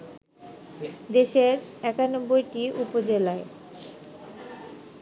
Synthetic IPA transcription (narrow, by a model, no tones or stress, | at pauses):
d̪eʃeɾɛkanobːojʈiʔupod͡ʑelae